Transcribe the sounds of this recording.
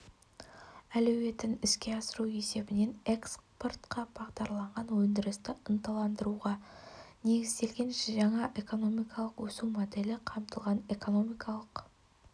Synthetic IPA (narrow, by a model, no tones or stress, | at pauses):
ælɵwe̞t̪ɪnɪskʲe̞ɑsəɾue̞se̞bɪne̞ne̞kspo̞rt̪qɑb̥ɑʁd̪ɑɾlˠɑɴʁɑnwɵnd̪ɪɾɪst̪ɪənt̪ɑlˠɑnd̪əɾuʁɑne̞ɡʲɪzd̪e̞lɡʲe̞nʃʒɑɴɑʔe̞ko̞no̞mijkɑlˠəqwɵsumod̪e̞lɪqʰɑmt̪əlˠʁɑne̞ko̞no̞mijkʰɑlˠəq